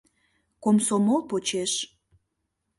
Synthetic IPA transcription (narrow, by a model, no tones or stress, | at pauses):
komsomolpot͡ɕeʃ